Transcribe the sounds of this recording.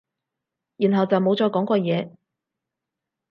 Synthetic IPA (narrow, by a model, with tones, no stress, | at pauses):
jyː˨˩nɦɐ˨wt͡sɐ˨wmo˨˧wt͡sɔː˨˧˥kɔː˨˥ŋkɔː˧jɛː˨˧